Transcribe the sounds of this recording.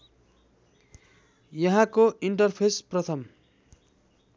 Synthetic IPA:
jʌɦãkoiɳʈʌrpʰesprʌt̪ʰʌm

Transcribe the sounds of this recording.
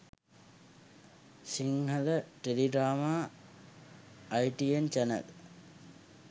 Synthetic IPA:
siŋɦələʈeliɖɾaːmaː | jʈient͡ʃænə̰l

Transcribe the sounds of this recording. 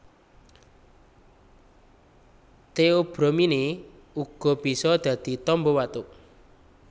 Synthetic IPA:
t̪eob̥ɾomine | uɡ̥ɔ̤b̥i̤sɔd̪̥ä̤d̪̥i̤t̪ɔmbɔwat̪ʊʔ

